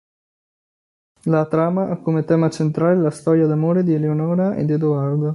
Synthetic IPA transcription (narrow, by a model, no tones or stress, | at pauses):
lat̪ɾaːmaʔakːomet̪ɛːmat͡ʃent̪ɾaːlelast̪ɔːɾjad̪amoːɾed̪ieleonɔːɾaḛd̪ed̪oaɾd̪o